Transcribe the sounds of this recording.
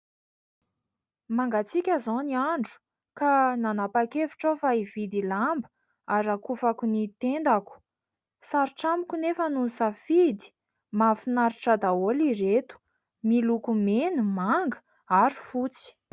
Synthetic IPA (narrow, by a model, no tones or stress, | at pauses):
maŋɡat͡sikʲazoniaɳɖ͡ʐu̥ | kananapakevi̥ʈ͡ʂofaiv̥id̪ilambə̥ | aɾakufakunit̪end̪aku̥ | saɾiʈ͡ʂamikʲunefənunisafid̪i̥ | mafinaɾiʈ͡ʂad̪aoliɾet̪u̥ | milukumenumaŋɡə̥ | aɾi̥fut͡si̥